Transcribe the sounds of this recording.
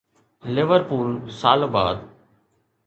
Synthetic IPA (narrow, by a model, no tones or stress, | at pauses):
lɪʋəɾpuːlsaːlba̰ːd̪